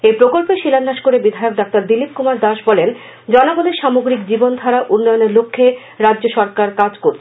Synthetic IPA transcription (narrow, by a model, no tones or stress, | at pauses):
epɾokolpeʃilanːaʃkoɾebid̪ʱaeok̚dak̚t̪aɾd̪ilip̚kumaɾd̪aʃbɔlen | d͡ʑɔnaɡoneɾʃamoɡɾikd͡ʑibond̪ʱaɾaʔunːɔjoneɾlokʰːe | ɾadːʑoʃɔɾkaɾkad͡ʑkoɾt͡ɕʰ